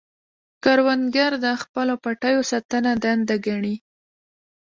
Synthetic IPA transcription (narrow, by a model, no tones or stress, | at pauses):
kaɾwanɡaɾd̪əxpəlopaʈajosat̪anad̪and̪aɡaɳi